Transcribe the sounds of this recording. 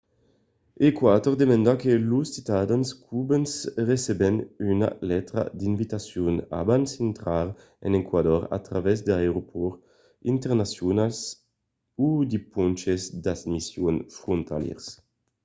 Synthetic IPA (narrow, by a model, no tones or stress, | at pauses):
ekwat̪oʁd̪emand̪akelusːit̪ad̪anskʰubensresebenyna̰lɛt̪ɾa̰d̪invit̪asjuna̰bansent̪ɾaɾ | ɛ̰nekwad̪ɔɾa̰t̪ɾavɛzd̪eaeɾopʰɔɾ | int̪eɾnasjunals | ud̪ipunt͡ʃesd̪asmisjonfɾunt̪a̰ljɛ̰ɾs